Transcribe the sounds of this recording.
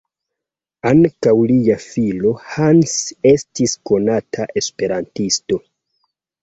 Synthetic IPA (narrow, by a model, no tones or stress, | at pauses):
aŋkawliafilo̞hanse̞stisko̞natʰaʔe̞spe̞ɾantisto̞